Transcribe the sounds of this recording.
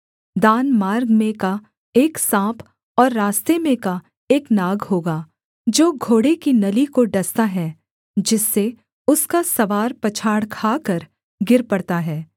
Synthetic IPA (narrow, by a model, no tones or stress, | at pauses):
d̪aːnmaːɾɡmẽka | eːksãːpʰ | ɔːɾːaːst̪emẽka | eːknaːɡɦoːɡaː | d͡ʒoːɡʱoːɽekinɐlikoɖɐst̪aɦɛː | d͡ʒɪsːe | ʊskasɐʋaːɾpɐt͡ʃʰaːɽkʰaːkəɾ | ɡɪɾpɐɽt̪aɦɛː